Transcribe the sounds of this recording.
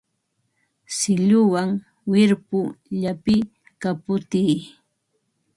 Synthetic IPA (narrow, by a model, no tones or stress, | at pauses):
sɪʎʊwaŋ | wɪɾpʊʎapɪ | kapʊt̪ij